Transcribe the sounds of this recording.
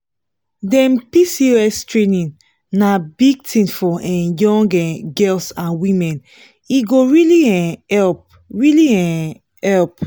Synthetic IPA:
dɛ̃mpisioɛstɹenĩn | nabiɡ̚tʰĩnfɔʔɛ̃jɔ̃ŋɡɛɡɛlsãnwĩmɛ̃n | iɡoɹiliɛ̃ɛlp̚ | ɹiliɛ̃ | hɛlp

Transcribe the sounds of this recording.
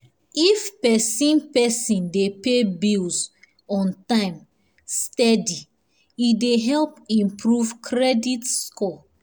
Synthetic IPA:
ifpɛsĩnpɛsĩndepebilz | ɔ̃ntãɪ̃m | stɛdi | ideɦɛlpĩmpʰɹuvkʰɹɛditskɔ

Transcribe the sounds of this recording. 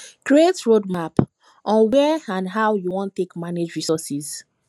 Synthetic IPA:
kɹietɹodmap | ʔɔ̃nwɛãnɦawjuwɔ̃ntːekmaned͡ʒɹisɔsiz

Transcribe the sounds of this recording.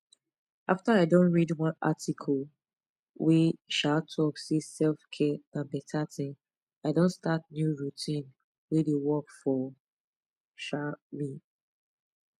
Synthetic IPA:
aftaaɪdõnɹidwɔ̃na̰tʰikʰɔl | weʃatʰɔksisɛlfkʰɛãnbɛtʰatʰĩ | aɪdõntstat̚njuɹutʰĩn | wedewɔkfɔ | ʃami

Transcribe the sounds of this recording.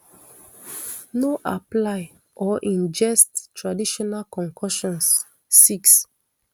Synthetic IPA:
noʔaplaɪ | ʔɔʔĩnd͡ʒɛsttːɹadiʃɔnalkɔ̃ŋkʰɔʃɔ̃nsː | iks

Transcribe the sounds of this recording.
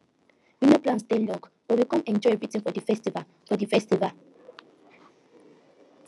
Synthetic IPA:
winoplãnstɛ̃nlɔ̃ŋɡ | b̥ɔwikɔ̃nɛ̃nd͡ʒɔɛvɹitĩŋfɔdifɛstival | fɔdifɛstival

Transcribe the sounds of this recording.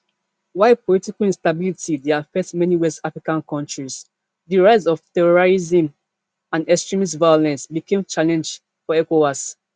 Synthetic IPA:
waɪpʰɔlitiklĩnstabilitideafɛk̚tmɛniwɛstafɹikãnkʰɔ̃ntɹis | ðiɹaɪsɔv̥tɛɹɔɹɹizĩm | ãndɛkstɹĩmis̬vaɪolɛ̃nsbikẽmt͡ʃalɛ̃nd͡ʒd | fɔɛkowas

